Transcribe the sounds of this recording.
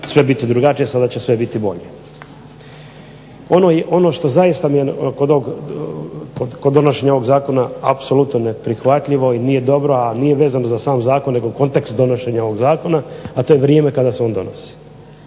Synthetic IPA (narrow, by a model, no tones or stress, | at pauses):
sʋe̞bit̪id̪ɾuɡat͡ʃijesad̪at͡ɕesʋe̞bit̪ibo̞̰ʎe | o̞noːjeʔo̞no̞ʃt̪o̞zajist̪amijekod̪oʋoɡ | kod̪kod̪ːonoʃe̞ɲaoʋo̞ɡzaːko̞naa̰pso̞lut̪nonepɾixʋat̪ʎiʋo̞iniːje̞d̪o̞bɾo̞aniːjeʋe̞ːzanozasaːmzaːkonːeɡoko̞nt̪e̞kst̪d̪o̞noʃe̞ɲao̞ʋoɡzaːko̞naat̪o̞ːjeʋɾjeːme̞kad̪aseo̞nd̪onosi̥